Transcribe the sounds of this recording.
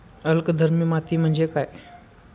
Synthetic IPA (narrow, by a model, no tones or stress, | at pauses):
əlkd̪ʱəɾmimat̪iːm̤əɳd͡zekaj